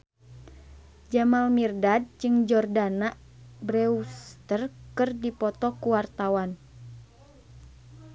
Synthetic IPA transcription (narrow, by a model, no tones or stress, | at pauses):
d͡ʒamalmirdad̚d͡ʒɨŋd͡ʒɔrdanaʔ | bɾɛust̪ərkɨrdipɔt̪ɔkuwart̪awan